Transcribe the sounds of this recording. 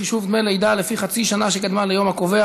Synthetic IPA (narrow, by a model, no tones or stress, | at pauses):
iʃuvd̪melejd̪alefiχat͡siʃanaʃekad̪malejomakovea